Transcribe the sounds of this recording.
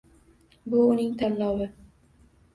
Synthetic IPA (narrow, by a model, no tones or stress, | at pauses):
bʊːnɪŋt̪ʰanlɒwɪ